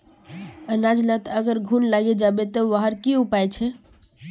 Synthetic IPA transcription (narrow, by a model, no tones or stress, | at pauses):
ənad͡ʒlət̪əɡəɾɡʱunlaɡed͡ʒabet̪əʋaɦəɾkiupajt͡ʃʰɛ